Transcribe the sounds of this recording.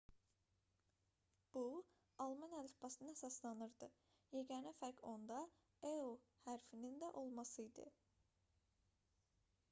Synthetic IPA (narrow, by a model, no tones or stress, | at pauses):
b̥u | ɑlˠmɑnælifbɑsɯnɯnhæsɑslˠɑnɯɾd̪ɯ | jeɡʲænæfæɾkʰo̞nd̪ɑ | eohæɾfinind̪æʔo̞lˠmɑsɯjd̪ɯ̰